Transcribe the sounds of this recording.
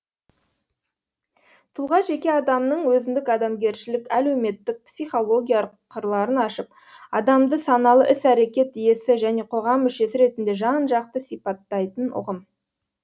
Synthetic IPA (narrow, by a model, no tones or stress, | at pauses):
t̪ʰʊlˠʁɑʒe̞kʲe̞ɑd̪ɑmnəɴwɵzɪnd̪ɪkɑd̪ɑmɡʲe̞ɾʃɪlɪkæle̞wme̞t̪ːɪk̚psijχo̞lˠo̞ɡʲijɑɾ | qʰːəɾlˠɑɾənɑʃəp̚ | ɑd̪ɑmd̪əsɑnɑlˠəʔɪsæɾe̞kʲe̞t̪̚ije̞sɪʒæne̞qʰo̞ʁɑmːʏʃe̞sɪɾe̞t̪ɪnd̪e̞ʒɑnʒɑqt̪əsijpɑt̪ːɑjt̪ənʊ̰ʁəm